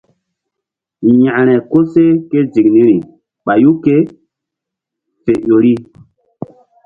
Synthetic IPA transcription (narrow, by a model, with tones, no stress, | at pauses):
jã˨ʔɾ̃ɛ˨ko˦se˦ke˦d͡ʒi˨knĩ˦ɾi˨ | ɓa˨ju˦ke˦ | fe˨jo˨ɾi˦